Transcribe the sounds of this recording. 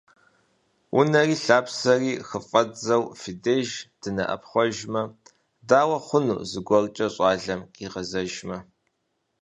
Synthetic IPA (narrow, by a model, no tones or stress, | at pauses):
ʔʊ̰nɐriːɬaːpsɐriːxəfʼɐzɐwfideːʒd̥ɨnɐ̰ʔɐ̰pχʷɔʒmɐ | daːwɐχʷʊnṵːzɨɡʷɔrt͡ʃʼɐɕʼɑːɮɐmqʼiːqɐzɐʒmɐ